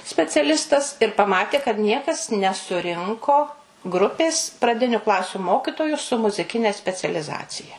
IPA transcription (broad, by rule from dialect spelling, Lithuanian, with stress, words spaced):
sʲpʲɛt͡sʲɛˈlʲɪstɐs ɪr pɐˈmɑːtʲeː kɐt ˈnʲiɛkɐs nʲɛsʊˈrʲɪŋkoː ˈɡrʊpʲeːs prɐˈdʲɪnʲʊ ˈklˠɑːsʲʊ ˈmoːkʲɪtoːjʊ sʊ mʊzʲɪˈkʲɪnʲɛ sʲpʲɛt͡sʲɛlʲɪˈzɑːt͡sʲɪjɛ